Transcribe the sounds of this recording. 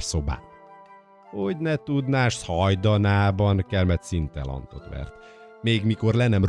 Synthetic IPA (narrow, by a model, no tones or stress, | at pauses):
rso̞ba̰ː | hoɟnɛt̪ud̪naːʃt̪hɒjd̪ɒnaːbɒnkɛrmɛt̪sint̪ɛ̰lɒ̰nt̪ot̪ʋɛ̰rt̪ | meːɡmiko̞rlɛnɛmr